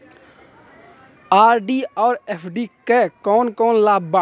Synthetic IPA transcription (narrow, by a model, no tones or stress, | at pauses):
aːɾɖiɔːɾepʰɖikekɔːnkɔːnlaːba